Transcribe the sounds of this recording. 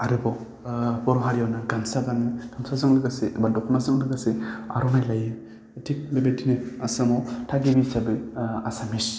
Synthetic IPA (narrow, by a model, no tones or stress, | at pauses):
aɾɯbɔ | bɔɾɔɦaɾijawnɯɡansaɡanɯkʰamsazɯŋlɯɡasebadɔkʰɔmazɯŋlɯɡasea̰ɾɔnajlajɯ | tʰit̚bebetinɯasɯmɔtʰaɡibisabɯasamis